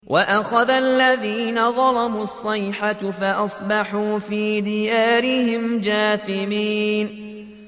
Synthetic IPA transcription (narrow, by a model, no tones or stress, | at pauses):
wʔaʔaxaðalːaðiːnaðˤɑlamuːɑsˤːɑjħafaʔɑsˤbɑħuːfiːd̪ɪjaːɾɪhɪmd͡ʒaːθɪmiːn